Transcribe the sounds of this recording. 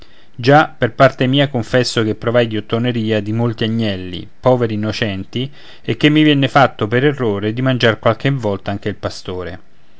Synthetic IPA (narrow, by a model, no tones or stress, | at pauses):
d͡ʒaperpart̪emiːakoɱfɛsːok̟epːɾovajd̪iot̪ːoneɾiːad̪imolt̪iaɲːɛlːḭpɔːveɾiːnːot͡ʃɛnt̪i | ek̟ːemːivjɛnːefat̪ːopeɾerːoːɾed̪imand͡ʒarkwalk̟evːɔlt̪aaŋk̟eilpast̪oːɾe